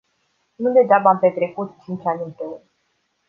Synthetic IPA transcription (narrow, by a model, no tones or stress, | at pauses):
nud̪e̞d͡ʒabaampe̞t̪ɾe̞kut̪t͡ʃint͡ʃanʲunt̪eun